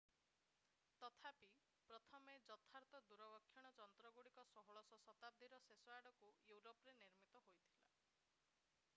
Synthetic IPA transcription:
t̪ɔt̪ʰapi | pɾɔt̪ʰɔmed͡ʒɔt̪ʰaɾt̪ɔd̪uɾɔbkʰːjɔɽ̃ɔd͡ʒɔnt̪ɾɔɡuɽikɔsɔɦɔɭɔsɔsɔt̪ab̚d̪ʱiɾɔsesɔaɖɔkujuwɾopɔɾeniɾmit̪ɔɦojt̪ʰila̰

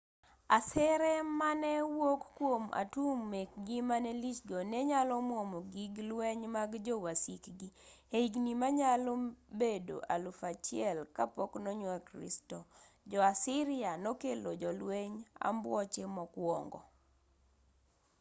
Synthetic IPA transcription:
asɛɾɛmanɛwokːwoma̰tumːek̚ɡimanɛlit͡ʃɡonɛɲalɔmwomoɡiɡlweɲmaɡd͡ʒɔwasikɡieiɡnimaɲalobedo̰ʔalufat͡ʃiɛlkapoknoɲwakɾḭstɔ | d͡ʒɔasɪɾɪanɔkelod͡ʒɔlweɲa̰mbwɔt͡ʃemɔkwɔŋɡɔ̰

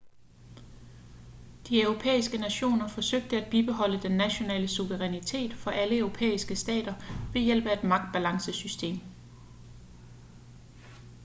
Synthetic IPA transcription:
d̥iœʊʁo̝pʰḛːisɡ̥ənæɕo̝̰ːnɐfɒ̽søɡ̥̚d̥əæd̥̚b̥ib̥e̝ɦɒ̽l̰əd̥enːæɕo̝nɛ̰ːləsuʋəʁɛnit͡sʰe̝̰ːd̥fɒ̽ʔæləœʊʁo̝pʰḛːisɡ̥əsd̥ɛ̰ːd̥ɐʋe̝jel̰b̥əæe̝d̥mɑ̈ɡ̥̚d̥̚b̥ælɑ̈ŋsəsysd̥e̝̰ːm

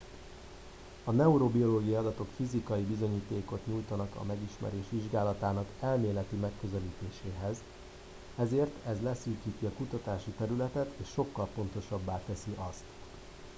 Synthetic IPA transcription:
ɒnɛuɾobio̞loːɡijɒɒd̪ɒt̪o̞kfizikɒjibizo̞ɲiːt̪eːko̞t̪ɲujt̪ɒnɒkɒ̰mɛɡiʃmɛ̰ɾeːʃʋiʒɡaːlɒt̪aːnɒkɛlmeːlɛt̪imɛkːø̞zɛliːt̪eːʃeːɦɛz | ɛzeːrt̪ʰɛzlɛsyːkiːt̪iɒkut̪ɒt̪aːʃit̪ɛɾylɛt̪ɛt̪ʰeːʃːo̞kːɒlpo̞nt̪o̞ʃɒbːaːt̪ɛsiʔɒst̪

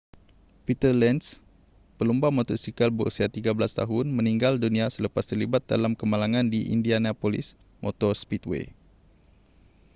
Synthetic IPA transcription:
pit̪ərlɛns | pəlumbamɔ̃t̪ɔrsikalbəɾṵsiat̪iɡabəlast̪a̰ɦʊnmə̃niŋɡaldunĩasələpast̪ərlibat̪̚da̰lamkəmalaŋãndiʔḭndianapɔlḭs | mʔɔ̰t̪ɔrspit̪̚wḛ

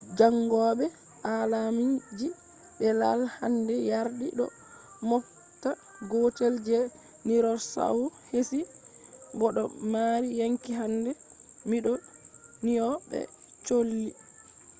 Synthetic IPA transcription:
d͡ʒaŋɡɔːɓɛ | ʔalamid͡ʒi | ɓɛla̰lhandɛjaɾdiɗɔ̰ | mɔk | ta | ɡɔteld͡ʒɛ | niɾɔsa̰wuhesi | bɔɗɔ̰maɾijaŋkiɦandɛmiɗɔnijɔbɛ̰t͡ʃolːi

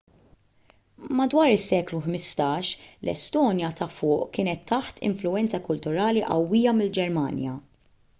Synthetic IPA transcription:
mɐd̪wɐːɾɪsːɛːkluħmɪst̪ɐːʃlɛ̰st̪ɔːnjɐt̪ʰɐfʊːʔkɪːnɛt̪ːɐħt̪ʰɪ̰ɱflʊɛnt͡sɐkʊlt̪ʊɾɐːliʔɐ̰wːiːjɐmɪld͡ʒɛɾmɐ̰ːnjɐ

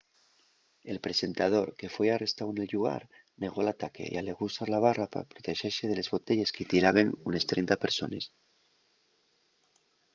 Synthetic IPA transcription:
elpɾesent̪að̞oɾkefwejarest̪awenelʎuɣ̞a̰ɾ | neɣ̞olat̪ake̞̰ḭaleɣusaɾlaβ̞arapa̰pɾot̪eʃeseðelezβot̪eʎeskit̪iɾaβenunest̪ɾejnt̪apeɾso̰nes

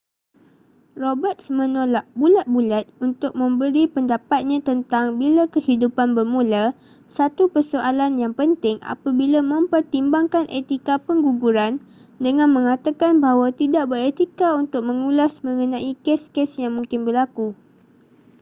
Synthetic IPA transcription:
robət̪̚smə̃nolaʔ̚bulat̪̚bulat̪̚unt̪ʊk̚mə̃mbəɾipəndapat̪̚ɲãt̪ənt̪aŋbilakəhidupanbərmũla | sat̪upərsoʔalanjaŋpənt̪ɪŋa̰pabilamə̃mpərt̪imbaŋkanʔet̪ikapəŋɡuɡuɾan | dəŋãnmə̃ŋat̪akanbaɦwat̪idaʔ̚bəɾet̪ikaunt̪ʊk̚mə̃ŋulasmə̃ŋənãʔikɛskɛsjaŋmũŋkɪnbərlaku

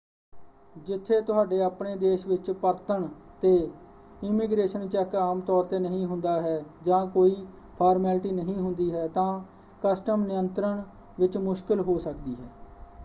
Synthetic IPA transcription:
d͡ʒɪt̪ʰːeːt̪ʊɦaːɖeːəːpɳeːd̪eːʃʋɪt͡ʃpəɾt̪əɳt̪eː | ɪmɪɡɾeːʃənt͡ʃɛːkaːmt̪ɔːɾt̪eːnəɦĩːɦʊnd̪aːɦɛːd͡ʒãːkoːiː | pʰaːɾmɛːlʈiːnəɦĩːɦʊnd̪iːɦɛːt̪ãː | kəsʈəmnɪjənt̪ɾəɳ | ʋɪt͡ʃmʊʃkɪlɦoːsəkd̪iːɦɛː

